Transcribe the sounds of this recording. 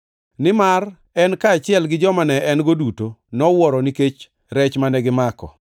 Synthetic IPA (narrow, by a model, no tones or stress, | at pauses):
nɪmar | ɛnkaːt͡ʃɪɛlɡɪd͡ʒɔmanɛʔɛnɡodutonɔwɔɾɔniket͡ʃ | ɾɛt͡ʃmanɛɡɪmakɔ̰